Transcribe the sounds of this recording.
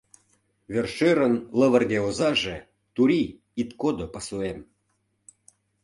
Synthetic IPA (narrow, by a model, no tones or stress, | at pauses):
βerʃeɾənlə̆βə̆rɣeozɑʒe | t̪uɾʲi | it̪kod̪opəsuem